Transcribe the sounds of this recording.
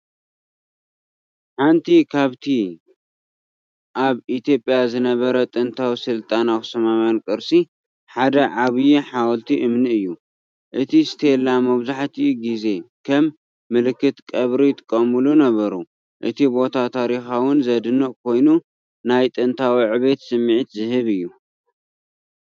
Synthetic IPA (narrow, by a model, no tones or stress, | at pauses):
ħant̪ʰikʰaβt̪ʰi | ʔaβit̪ʰjo̞pʼjazɨnɐβɐɾɐt̪ʼɨnt̪ʰawisɨlt̪ʼanawsɐmamankʼɨɾsʼi | ħad̪ɐʕaβɨjiħawɔlt̪ʰiʔɨmnɨɨjːu | ʔɨt̪ʰist̪ʰelamɐβzaħt̪ʰiɡize̞kʰɐmː | ɨlɨkːɨt̪kʼɐβɾit̪ʼɨkʼːɐmɨlunɐβɐɾu | ʔɨ̰t̪ʰibo̞t̪ʰat̪ʰaɾixawʊnzɐd̪ɨnɨʔkʰo̞jnu | najt̪ʼɨnt̪ʰawiʕɨβet̪sɨmːʕit̪zɨhɨβɨjːu